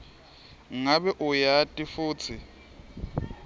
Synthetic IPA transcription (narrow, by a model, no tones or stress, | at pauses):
ŋabɛʔʊjatʼɪfʊːt͡sʰɪ